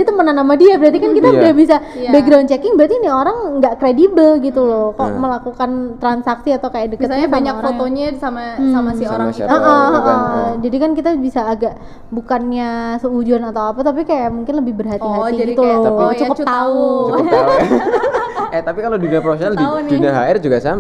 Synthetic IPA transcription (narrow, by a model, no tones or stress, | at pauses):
it̪əmənanamadiabəɾart̪ikankit̪audahbisabəɡɾawnt͡ʃɛkɪŋbəɾat̪inioɾaŋɡaʔkɾedibəlɡit̪ulɔkɔʔməlakukant̪ɾansaksiat̪awkajaʔdəkətsɲabaɲakfot̪oɲasamasamasioɾaŋiəʔəəʔəd͡ʒadikankit̪abisaːɡaʔ | bukanɲasəud͡ʒuanat̪awapat̪ap̬ikajaʔmuŋkɪnləbɪhbərɦat̪iɦat̪iɡit̪ulɔt͡ʃukəpt͡ʃt̪au | ɛt̪apikaloduniapɾofesjonalanduniaɦaɪrd͡ʒuɡasam